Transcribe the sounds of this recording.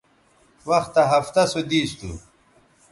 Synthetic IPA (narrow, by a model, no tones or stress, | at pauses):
wɐxt̪ɐɦɐft̪ɐsod̪iːst̪ṵ